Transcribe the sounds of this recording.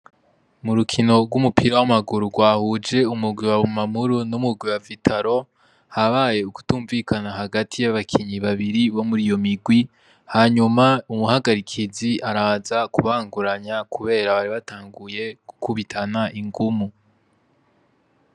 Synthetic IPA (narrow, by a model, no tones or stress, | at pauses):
muɾukʰino̞ɡɡwumupʰiɾawamaɡuɾuɡwaːhud͡ʒe̞umuɡwiwaβumamuɾunumuɡwiwavitʰaɾo̞ | haβaje̞uku̥tuːɱviːkanaɦaɡatʰijaβakʰiɲiβaβiɾiβo̞muɾijo̞miɡwi | haːɲumaumuhaɡaɾikʰiziʔaɾaːzakuβaːŋɡuɾaɲakuβe̞ːɾaβaɾiβatʰaːŋɡuje̞ɡ̥ukʰuβitʰanaʔiŋɡumu